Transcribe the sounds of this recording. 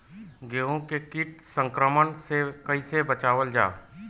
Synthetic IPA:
ɡeːõkekɪʈsə̃ŋkɾəmənsekəĩsebət͡ʃaːʋəld͡ʒa̰ː

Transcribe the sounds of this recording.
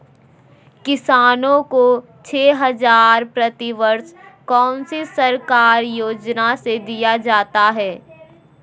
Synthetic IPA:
kɪsaːnõko | t͡ʃʰeːɦɐzaːɾpɾɐt̪iʋəɾskɔːnsisɐɾkaːɾjoːd͡ʒnased̪ijad͡ʒaːt̪aɦɛː

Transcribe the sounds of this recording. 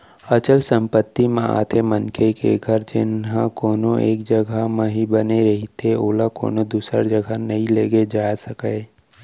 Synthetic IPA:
ɐt͡ʃəlsə̃mpət̪ːimẽa̰ːt̪ʰemənkʰekḛɡʱəɾd͡ʒɪnɦãkoːnõʔeːkd͡ʒəɡʱamẽɦibəneɾɐɦit̪ʰeoːlako̰ːnod̪uːsə̰ɾd͡ʒəɡʱanɐɦĩleːɡed͡ʒaːsəkə

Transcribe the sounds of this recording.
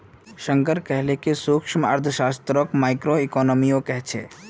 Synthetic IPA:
ʃə̃ŋkəɾkɛɦlekesuːkʃmə̰ɾd̪ʰʱəʃaːst̪ɾokmaːɪkɾoikɔːnoːmijõkɛɦt͡ʃʰḛː

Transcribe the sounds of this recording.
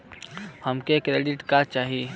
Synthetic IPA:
həmkekɾeːɖiʈkat͡ʃaːɦi

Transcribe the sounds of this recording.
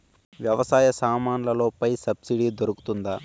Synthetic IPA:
ʋjɐʋɐsaːjɐsaːmaːnlɐloːpɐjsɐbsiɽid̪oɾɐku̥t̪und̪a

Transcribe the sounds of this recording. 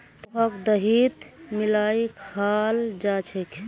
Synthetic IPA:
t̪ɦəkd̪əɦit̪milaikʰald͡ʒat͡ʃʰəkʰ

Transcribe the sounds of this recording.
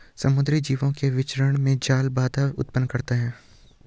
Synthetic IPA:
sɐmʊd̪ɾid͡ʒiːʋõkeʋɪt͡ʃɾəɽ̃mẽd͡ʒaːlbaːd̪aʊ̰t̪̚pənkɐɾt̪eɦɛ̃ː

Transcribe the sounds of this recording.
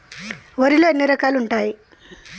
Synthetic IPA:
ʋəɾileniɾəkaluɳʈai

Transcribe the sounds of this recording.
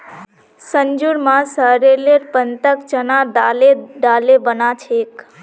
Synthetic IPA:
səɲd͡ʒuɽmãsəɦɾeleɾpənt̪əkt͡ʃənaɖaleɖaːlebənat͡ʃʰeːk

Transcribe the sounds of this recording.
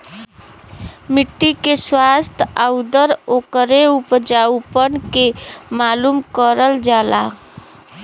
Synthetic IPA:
miʈːikeswast̪ʰad̪əɾokəɾeupd͡ʒawpənkemalumkəɾəld͡ʒala̰

